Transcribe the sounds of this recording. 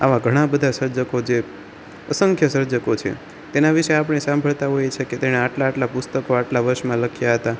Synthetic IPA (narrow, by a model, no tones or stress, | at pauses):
aʋaɡʱəɽ̃ãbəd̪ʱasəɾd͡ʒəkod͡ʒe | əsəŋkʰjəsəɾd͡ʒəkot͡ʃʰḛ | t̪enaʋiʃeap̬ɽ̃esãmbʱəɭt̪aɦojet͡ʃʰeket̪eɽ̃eaʈlaːʈlapʊst̪əkoaʈlaʋəɾʃmãləkʰjaɦət̪a